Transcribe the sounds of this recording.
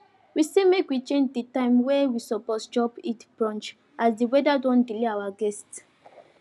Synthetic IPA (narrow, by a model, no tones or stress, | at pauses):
wisemekwit͡ʃẽnd͡ʒdetãɪ̃mwɛwisɔpɔtd͡ʒɔbitb̥ɹɔ̃nt͡ʃ | ʔasdiwɛdadɔ̃ndileawaɡɛst